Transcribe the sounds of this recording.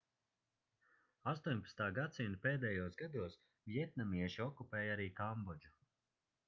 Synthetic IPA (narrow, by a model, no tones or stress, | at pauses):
ast̪uːɲʲpḁt̪st̪aːɡat̪sinpeːd̪ɛːjuɔsɡad̪uɔs | vjɛt̪̚namiɛʃiɔkupɛːjaɾiːkambɔd͡ʒu